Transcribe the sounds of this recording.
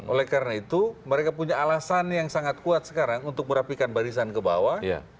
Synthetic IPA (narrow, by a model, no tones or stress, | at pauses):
ʔolɛhkaɾənait̪uməɾekapuɲaːlasanjaŋsaŋat̪̚kuat̪̚sə̥kaɾaŋunt̪ʊk̚məɾapikanbaɾisankəbawaja̰